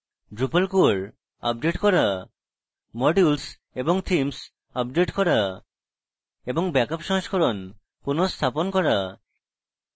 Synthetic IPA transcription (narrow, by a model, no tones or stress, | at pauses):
ɖɾupalkuɾ | a̰p̚ɖeʈkɔɾa | mɔɖuls | eboŋt̪ʰims | ap̚ɖeʈkɔɾa | eboŋbɛkapʃɔ̃ɦɔskʰɔɾon | kunost̪ʰaponkɔɾa